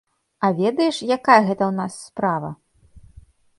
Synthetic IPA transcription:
ɐvʲɛd̪ɐjɛʂjakajɐɣɛt̪ɐwnasːpɾavɐ̰

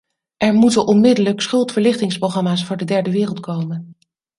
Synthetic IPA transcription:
ʔɛɹmutənʔɔnmɪdələksχɵlˠtfəɹlɪχtɪŋsprowχɑmaːsfʊːɹdədɛɹdəʋɪːrəlˠtkowmən

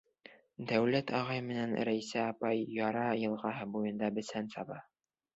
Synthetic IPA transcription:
d̪æwlæt̪ɑʁɑjmɘ̆nænɾæjsæɑpɑjːɑɾɑjɤ̆lˠʁɑɦɤbujɤ̆nd̪ɑbɘ̆sænsɑbɑ

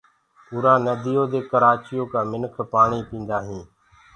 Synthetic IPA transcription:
ʊːɾaːnəd̪iːjoːd̪eːkəɾaːt͡ʃɪjõːkaːmɪnkʰpaːɳiːpĩːnd̪aːɦĩː

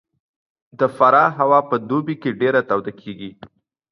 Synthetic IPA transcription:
d̪əfaɾɑɦawɑpəd̪obikeɖeɾat̪awd̪akʰeɡi

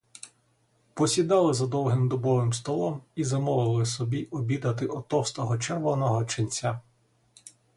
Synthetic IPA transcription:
pɔsʲid̪ɑlˠɪzɐd̪ɔwɦɪmd̪ɔbɔʋɪmst̪ɔlˠɔmizɐmɔʋɪɪlˠɪsɔbʲiʔɔbʲid̪ɐt̪̬ɪʔɔt̪ɔst̪ɔɦɔt͡ʃɛrʋɔnɔɦɔt͡ʃɪnʲt͡sʲa

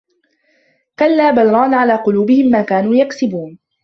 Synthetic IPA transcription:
kalːaːbalɾˤɑːnʕalaːqʊluːbɪhɪmːaːkaːnuːjaksɪbuːn

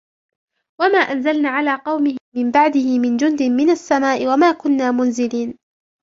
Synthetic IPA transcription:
wamaːʔanzalnaːʕalaːqɑwmɪhɪmɪmbaʕd̪ɪhɪmɪnd͡ʒʊnd̪ɪmɪnasːamaːʔɪwamaːkʊnːaːmʊnzɪliːn

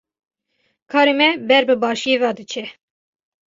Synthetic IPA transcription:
kʰɑːɾemɛbɛɾbəbɑːʃjevɑːd̪ɨt͡ʃʰɛ

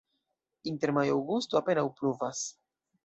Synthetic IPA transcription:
int̪eɾmajowɡust̪uapenawpɾuvas

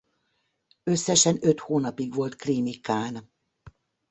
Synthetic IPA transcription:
øsːɛʃɛnø̞t̪hoːnɒpiɡʋo̞lt̪krimikaːn

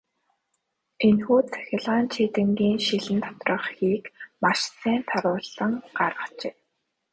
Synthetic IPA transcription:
enxuːt̪ʰœ̥xʲɪ̆ɮaːnt͡ɕʰit̪ɘ̆ŋɡiːŋʃiɮɘ̆nt̪ʰɔ̥t̪rə̆χxiːkmaʃsiːnt̪ʰaɾʊːɮə̆ŋɢarʁə̆t͡ɕeː

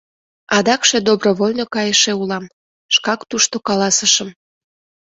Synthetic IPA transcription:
ɑd̪ɑkʃed̪obroβolʲnokɑjəʃeulɑm | ʃkɑkt̪uʃt̪okɑlɑsəʃəm

